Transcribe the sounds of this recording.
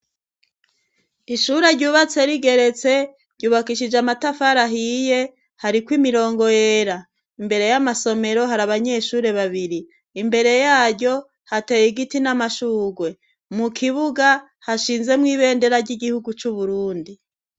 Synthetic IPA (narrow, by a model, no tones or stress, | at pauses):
iʃuɾe̞ɾɟuːβat͡se̞ɾiɡe̞ɾe̞t͡se̞ | ɾ̥ɟuːβakiʃid͡ʒamatafaɾaɦije̞ | haɾikwimiɾo̞ːŋɡo̞jeɾa | imbe̞ɾe̞jamaso̞me̞ɾo̞ɦaɾaβaɲe̞ʃuːɾe̞βaβiɾiː | mbe̞ɾe̞jaːɾɟo̞ | hatejiɡitinamaʃuːɡwe̞ | mukʰiβuɡa | haʃiːnze̞mŋiːβe̞ːnde̞ɾaɾɟiɡihuɡut͡ʃuβuɾuːndi